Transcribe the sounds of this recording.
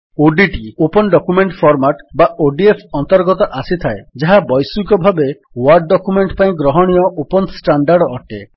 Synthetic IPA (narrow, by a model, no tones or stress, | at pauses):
oɖiʈiopɔnɖɔkumeɳʈpʰɔɾmaʈbaoɖiepʰɔnt̪ɔɾɡɔt̪ɔʔasit̪ʰaed͡ʒaɦabɔjsukɔbʱabe | wɔɾɖːɔkumeɳʈpaĩɡɾɔɦɔɽ̃ijɔʔopɔnsʈaɳɖaɾɖɔʈe